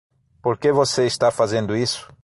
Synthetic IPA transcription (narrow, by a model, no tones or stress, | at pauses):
poɾkevoseist̪afazẽnd̪ʊisʊ̥